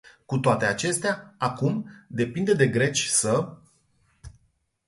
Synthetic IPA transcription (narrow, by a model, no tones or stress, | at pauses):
kut̪oat̪e̞at͡ʃe̞st̪eaakumd̪e̞pind̪ed̪e̞ɡɾe̞t͡ʃʲsə